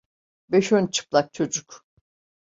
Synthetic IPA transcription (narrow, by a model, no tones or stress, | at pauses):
bɛʃønt͡ʃʰɯ̥plˠak̚t͡ʃʰo̞d͡ʒuk